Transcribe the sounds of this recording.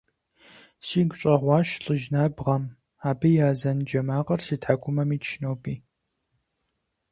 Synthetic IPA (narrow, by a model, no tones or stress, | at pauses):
siːɡʷʊɕʷʼɐʁʷɑːʃɬʼɨʒnaːbʁɐm | aːbɨjaːzɐnd͡ʒɐmaːʁɐrsiːtħaɡʷʰʼʊmɐmiːʃʰnowpʼiː